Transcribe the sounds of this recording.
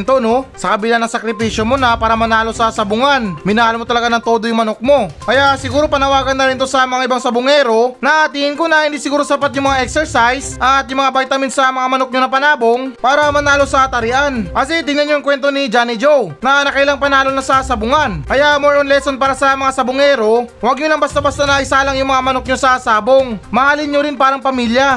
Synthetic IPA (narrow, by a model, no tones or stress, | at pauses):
nt̪ono̞sɐkɐbɪlanːɐŋsɐkɾɪpiːʃjo̞monɐpaːɾɐmɐnaːlo̞sɐsɐbʊŋanmɪnaːlomot̪ɐlɐɡanɐŋt̪o̞d̪ojʊŋmɐnok̚mo̞kɐjasɪɡuːɾo̞pɐnɐwaːɡɐnːɐɾɪnt̪o̞sɐmɐŋaʔɪbaŋsɐbʊŋɛːɾo̞nɐt̪ihɪnkonɐhɪnd̪iːsɪɡuːɾo̞sɐpat̪̚jʊŋmɐŋaʔɛksɛɹsajsʔɐt̪̚jʊmɐŋabajt̪ɐmɪnsɐmɐŋamɐno̞k̚ɲonɐpɐnaːbo̞ŋpaːɾɐmɐnaːlo̞sɐt̪ɐɾɪʔankɐsit̪ɪŋnɐnɲoɐŋkwɛnt̪o̞nid͡ʒanid͡ʒownɐnɐkɐɪlaŋpɐnaːlo̞nɐsasɐbʊŋanʔɐjamoɹonlɛsonpaːɾɐsɐmɐŋasɐbʊŋɛːɾo̞wɐɡ̚ɲolɐŋbɐst̪abɐst̪anɐʔɪsaːlɐŋjʊŋmɐŋamɐnok̚ɲosɐsaːboŋmɐhaːlɪɲɲoɾɪnpaːɾɐŋpɐmiljɐ